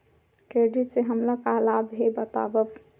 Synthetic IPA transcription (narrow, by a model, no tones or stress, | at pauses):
keːɖiseɦɐmlakalaːbɦebət̪a̰ːbəf